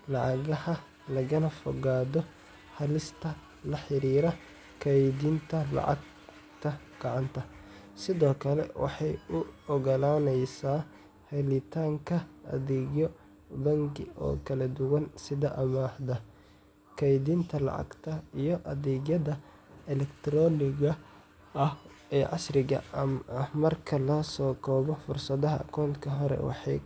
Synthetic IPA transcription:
lɑʕɑɣɐhɐ | lɐɣɐnɐfɔɣaːðɔ | ħɐlɪst̪ʰɐ | lɐħɪɾiːɾɐ | kʰɐjd̪iːnt̪ʰɐlɑ̰ʕɑ̰ɡ̚ | t̪ʰɐ | ɡ̥ɑʕɑnt̪ʰɐ | sɪðɔːkʰɐlɛ̰wɑ̰ħɑjʊɔɣɐlaːnɛjsaː | hɛlɪt̪ʰaːŋkʰɐɐ̰ðɛːɡjɔ | bɐŋɡɪɔ̰ːkʰɐlɐd̪ʊwɐnsɪðɐʔɐmaːħd̪ɐ | kʰɐjd̪int̪ʰɐlɐ̰ʕɑ̰ɡt̪ʰɐijɞʔɐðɛːɡjɐðɐ | ɛlɛkt̪ʰɾɔːnɪɣɐ | ɐh | ɛːʕɑsrɪɣɐ̰mɐhmɐrkʰɐlɐsɔːkʰɔːβɔfʊrsɐðɐɦɐʔɐkʰɔːnkʰɐɦɔɾɛ̰wɑ̰ħɑ̰j

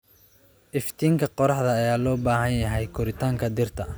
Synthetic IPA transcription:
ʔɪft̪ʰiːŋkʰɐqɔɾɑħðɐːjaːlɔːbaːɦɐnjɐɦɛjkʰʊɾɪt̪ʰaːŋkʰɐd̪ɪrt̪ʰɐ

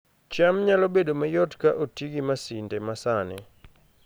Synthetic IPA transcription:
t͡ʃamɲalɔbedomajɔtkaʔotiɡimasindɛmasanɛ̰

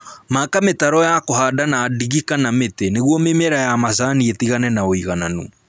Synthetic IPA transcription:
makametaɾɔjakohadanaːdiɣikanameteneɣwɔmemɛɾajamasaːnietiɣanɛnaoiɣananṵ

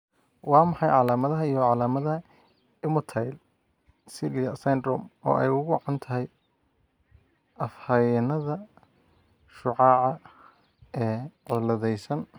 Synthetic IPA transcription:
wɑːmɑħɑjʕɑlaːmɐðɐɦɐijɔʕɑlaːmɐðɐɦɐ | ɪmʊt̪ʰajl | sɪliɐsɛnd̪ɾɔ̰mɔ̰ːʔɛjʊɣʊʕant̪ʰɐɦɛj | ɐfhajɪnɐðɐ | ʃʊʕɑːʕɑ | ɛːʕʊlɐðɛjsɐn

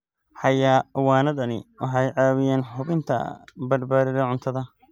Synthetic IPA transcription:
ħɑjaːwɑːnɐðɐnɪ̰wʔɑħɑjʕɑːwɪjɛːnħʊβɪnt̪ʰɐ̰bɐdbaːðɪðɐʕʊnt̪ʰɐðɐ

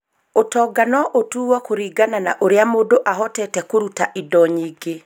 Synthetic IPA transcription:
otɔːɡanɔʔotuːwakoɾiːɡanana̰ʔoɾeamoːdoʔaɦɔtɛtɛkoɾutaʔidɔɲiːɡe

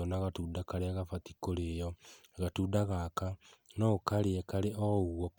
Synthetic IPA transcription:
ɔnaɣatuːdakaɾeaɣafati̥koɾejɔɣatuːdaɣakanɔkaɾeɛkaɾeʔɔɣwɔk

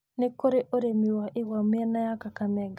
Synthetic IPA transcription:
nekoɾeʔoɾemiwaʔewameɛnajakakamɛɡa

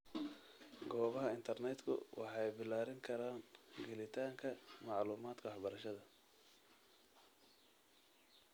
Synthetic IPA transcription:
ɡɔːβɐɦɐɪnt̪ʰɐrnɛd̪kʰʊ̰wɑ̰ħɑjbɪlaːɾɪŋkʰɐɾaːnɡɛlɪt̪ʰaːŋkʰɐmɑʕluːmaːd̪kʰɐwɑħbɐɾɐʃɐðɐ

